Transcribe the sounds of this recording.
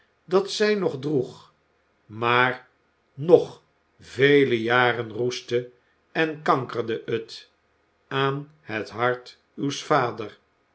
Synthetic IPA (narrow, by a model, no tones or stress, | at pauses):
dɑtsɛjnɔχdruχ | maːr | nɔχ | vejləjaːrənrustə | ɛnkɑŋkərdəʔət | aːn | hətɦɑɹt | ywsfaːdər